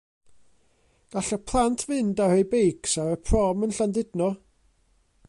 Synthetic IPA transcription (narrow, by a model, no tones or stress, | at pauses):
ɡ̥aɬapʰlˠantʰvɨndahejbejksaɾəpʰrɔmənɬandɪdnɔ